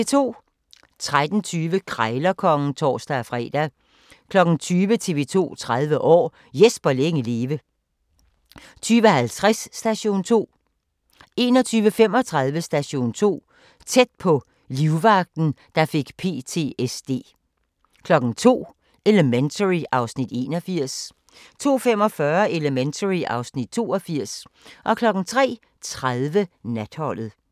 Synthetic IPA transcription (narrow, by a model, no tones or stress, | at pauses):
et͡sʰo̝̰ː | t͡sʰʁad̥n̩t͡sʰyːʋəkʰʁaɪlɐkʰɒ̽ŋn̩t͡sʰɒ̰ːsd̥æfʁɛ̰ːd̥æ | kʰlɒ̽ɡ̥n̩t͡sʰyːʋət͡sʰe̝ʋe̝t͡sʰo̝̰ːt͡sʰʁaðˠʋəʔɒ̰ː | jesb̥ɐleŋəleːʋə | t͡sʰyːʋəhælt͡sʰʁasːd̥æɕo̝̰ːnt͡sʰo̝̰ː | e̝ːnɒ̽t͡sʰyːʋəfem̰ɒ̽t͡sʰʁɑ̈ð̞ˠʋəsd̥æɕo̝̰ːnt͡sʰo̝̰ː | t͡sʰed̥̚pʰɒ̽ | liʊʋɑ̈ɡ̥̚d̥n̩d̥ɑ̈fe̝ɡ̥pʰe̝̰ːt͡sʰe̝̰ːesd̥e̝̰ː | kʰlɒ̽ɡ̥ŋ̩t͡sʰo̝̰ː | ʔe̝ləment͡sʰəʁiʔɑ̈ʊsnid̥e̝̰ːnɒfiɐ̰s | t͡sʰo̝̰ːfem̰ɒ̽fɶɐe̝ləment͡sʰəʁiʔɑ̈ʊsnid̥̚t͡sʰo̝ːɒ̽fiɐ̰sʔɒ̽kʰlɒ̽ɡ̥n̩t͡sʰʁɛ̰ː | t͡sʰʁaðˠʋənæd̥hɒ̽l̰ð̩ˠ